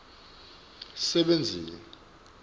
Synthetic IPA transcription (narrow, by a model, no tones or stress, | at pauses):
sɛɓend͡zʱiːni